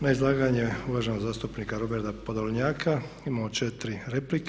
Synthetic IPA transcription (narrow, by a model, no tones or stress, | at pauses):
naizlˠaːɡaɲeuʋaʒenoɡzaːst̪upniːkaɾobeɾd̪apod̪oɲaːkʰa | imaːmot͡ʃet̪ɾiɾeplik